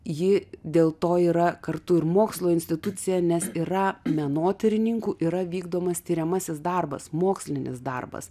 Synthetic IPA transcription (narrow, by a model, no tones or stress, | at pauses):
jɪd̪ʲeːlˠt̪oːiːɾɐkɐrt̪ʊɪɾmoːkslˠoːɪnʲsʲt̪ʲɪt̪ʊt̪sʲɪjɛnʲɛsirɐmʲɛnoːt̪ʲɛɾʲɪnʲiŋkuːʔiɾɐʋʲiːɡd̪oːmɐst̪ʲiːɾʲɛmɐsʲɪsd̪ɐrbɐ̰smoːksʲlʲɪnʲɪ̰sd̪ɐ̰rbɐ̰s